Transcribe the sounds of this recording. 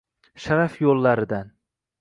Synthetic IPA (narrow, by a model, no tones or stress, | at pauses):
ʃaɾafjolˠːaɾɪd̪an